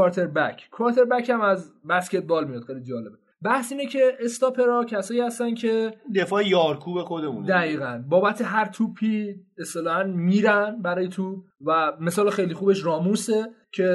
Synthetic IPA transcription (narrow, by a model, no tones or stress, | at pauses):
ɒɾt̪ʰeɾbæcʰkʰvɒɾt̪ʰe̞ɾbæcʰæmæzbæsce̞t̪̚bɒːlmijɑt̪xejlid͡ʒɒːle̞be̞ | bæhsiːnecʰe̞ːst̪ɒpʰe̞ɾɒcʰæsɒːjiːhæst̪æncʰe̞d̪efɒːejɒːɾkʰuːbexo̞d̪emũnd̪æɣiːɣænbɒːbæt̪ʰe̞ɦæɾt̪ʰupʰiest̪e̞lɒhænmiːɾænbæɾɒːjet̪ʰub̚ | væme̞sɒːlexe̞jlixuːbe̞ʃɾɒːmuse̞cʰe̞